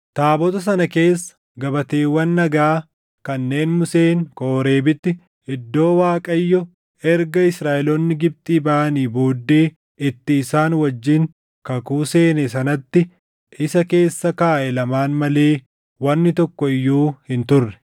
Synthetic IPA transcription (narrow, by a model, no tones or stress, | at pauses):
t̪aːbɔt̪ɐs̬ɐnɐke̞ːsːɐ̥ | ɡɐbɐt̪e̞ːwːɐnːɐɡaː | kɐnːe̞ːnmʊse̞ːŋko̞ːɾe̞ːbɪt̪ːɪ | ɪd̪ːo̞ːwaːkʼɐjːɔ | ɛɾɡɐɪsɾaːʔɛlɔnːɪɡɪb̚t̪ʼiːbaʔɐniːboːd̪ːe̞ː | ɪt̪ːɪːsaːnwɐd͡ʒːɪŋ | kɐkuːse̞ːnɛsɐnɐt̪ːɪ | ʔɪsɐke̞ːsːɐkaːʔɛlɐmaːnmɐle̞ː | wɐnːɪt̪ɔkːɔɪjːuːhɪnt̪ʊrːɛ̥